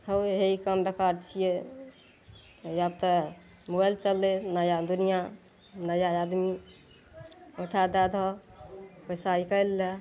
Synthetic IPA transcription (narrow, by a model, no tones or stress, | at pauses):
həwɦeikəmbekaɾt͡ʃʰije | jab̚t̪ə | moəlt͡ʃəlːenəjad̪unija | nəjaad̪mi | oʈʰad̪ad̪ʱɔ | pəjsaikəjlːe